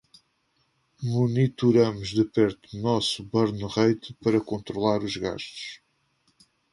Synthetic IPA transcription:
munit̪uɾɐmuʒðɨpɛɾt̪unɔsuβɐɾnuʁɐjt̪ɨpɐɾɐkõnt̪ɾulˠaɾuʒɣa̰ʃt̪u̥ʃ

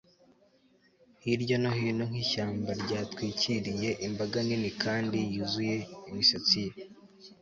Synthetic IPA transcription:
hiɾɟonohino̞ŋ̥iʃaːmbaɾɟaːtkwiːcʰiɾije̞ʔimbaɡaninikaːndijuzuje̞imisat͡sije

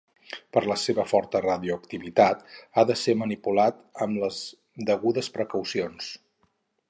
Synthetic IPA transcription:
pəɾləseβəfɔɾt̪əraðiuəkt̪iβit̪at̪aðəsemənipulat̪əmləz | d̪əɣuðəspɾəkəwsions

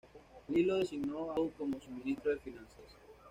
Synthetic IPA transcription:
lilosinoawkomosumĩnist̪ɾoðefinãnsas

